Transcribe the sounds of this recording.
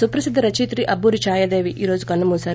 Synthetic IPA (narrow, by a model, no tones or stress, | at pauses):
supɾɐsid̪ːɾɐt͡ʃiːt̪ɾiʔɐbːuːɾit͡ʃaːjɐd̪eːʋiʔiːɾo̞ːd͡ʒukɐlːɐmuːsaːɾ